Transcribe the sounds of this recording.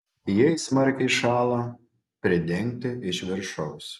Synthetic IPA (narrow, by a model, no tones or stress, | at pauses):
jɛɪsmɐɾʲkʲɛɪʃɑːlˠɐ | pʲɾʲɪd̪ʲɛŋʲk̚ʲt̪ʲɪɪʃʋʲɪɾʃɐʊs